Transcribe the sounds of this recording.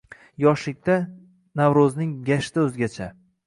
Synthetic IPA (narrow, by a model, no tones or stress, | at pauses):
jɒʃlɪk̚ʲt̪a | navɾoznɪŋɡʲaʃt̪aɵzɡʲat͡ʃʰa